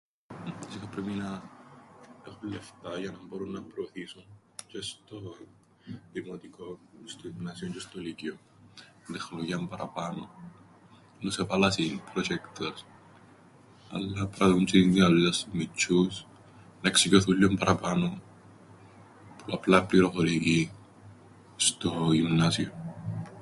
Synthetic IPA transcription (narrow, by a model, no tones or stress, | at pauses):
isikapɾeminɐ | exulːeft̪ɐʝɐnɐmboɾunːɐpɾoːθisun | t͡ʃest̪o | d̪imot̪ikoist̪oiminɐsiont͡ʃest̪olicio | t̪exloʝiɐmpɐɾɐ̰pano | nosepalasinpɾot͡ʃekt̪os | a̰lːapɾaðunt͡ʃiŋɡialasmit͡ʃːus | naksicoθulːompaɾapano | puaplapliɾokoliki | st̪ojunnasion